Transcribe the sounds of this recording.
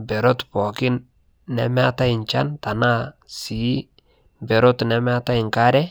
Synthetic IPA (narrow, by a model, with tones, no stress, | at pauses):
bɛ˨ɾotpɔ˨kɪ˦nː | ɛ̰mɛata˦ɪ˨ɲt͡ʃanta˨na˦si˨ | bɛ˨ɾotnɛmɛ˦ata˦ɪ˨ŋka˦ɾɛ